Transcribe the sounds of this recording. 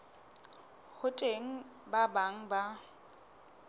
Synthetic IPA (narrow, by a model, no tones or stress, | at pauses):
hʊtʼeŋ̩ | babaŋ̩ba